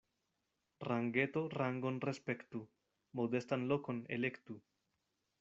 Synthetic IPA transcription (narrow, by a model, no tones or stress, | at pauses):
raŋɡe̞t̪o̞raŋɡo̞nrespe̞kt̪u | mo̞d̪e̞stanloko̞nḛle̞kt̪u